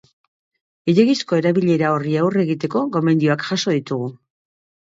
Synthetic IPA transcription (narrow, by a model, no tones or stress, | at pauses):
eɾeɣisko̞e̞ɾaβiʎe̞ɾao̞riawre̞ɣit̪e̞ko̞ko̞me̞nd̪ioakʝaso̞ðit̪uɣu